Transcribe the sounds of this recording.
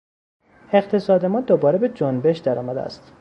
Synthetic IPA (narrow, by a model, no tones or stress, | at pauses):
e̞qt̪ʰe̞sɒːd̪emɒːd̪obɒːɾebe̞d͡ʒonbe̞ʃd̪æɾɒ̰ːmæd̪ḛæ̰st̪